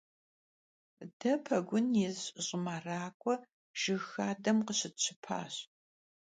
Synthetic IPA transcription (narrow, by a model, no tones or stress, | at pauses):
dɐpʰɐɡʷʊnjezɕɕʼɪmaraːkʷʰʼɔ | ʒ̥ɨxaːdɐmqəɕɪtɕʰɪpʰa̰ːɕ